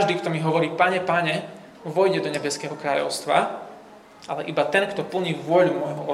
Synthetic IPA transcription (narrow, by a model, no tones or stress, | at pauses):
ʒd̪iːkt̪ɔmiɦɔʋɔɾiːpaɲɛpaɲɛ | muvɔjɟɛd̪ɔɲɛbɛskɛːɦɔkɾaːʎɔ̰ʊst̪ʋa̰ | ʔalɛʔibat̪ɛnkt̪ɔpl̩ɲiːʋʊɔʎumɔjɦɔʔɔ